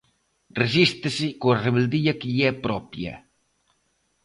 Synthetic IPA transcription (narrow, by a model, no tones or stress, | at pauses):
resist̪ɪsɪkoɐreβeld̪iɐkɪʎiɛpɾɔpjɐ̰